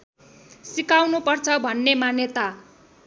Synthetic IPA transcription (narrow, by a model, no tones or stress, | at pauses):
sikawnupʌrt͡sʰʌbʱʌnːemanjet̪a